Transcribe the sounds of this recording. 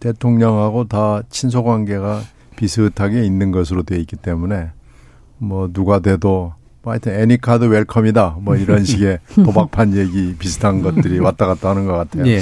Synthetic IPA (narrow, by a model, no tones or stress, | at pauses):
tetʰoŋɲʌŋɦaɡotat͡ɕʰins̬ʰoɡwanɡe̞ɡa | pisʰɯːtʰaɡe̞inːɯnɡʌs̬ʰɯɾodwe̞ik͈it͈e̞mune̞ | mʌnuɡadwe̞do | aɲitʰɯnenikʰadɯweɭkʰʌmidamwʌiɾʌnɕʰiɡe̞pobak̚pʰanje̞ɡipisʰɯ̥tʰanɡʌt̚t͈ɯɾiwat͈aɣat̚t͈aɦanɯnɡʌk͈atʰe̞jo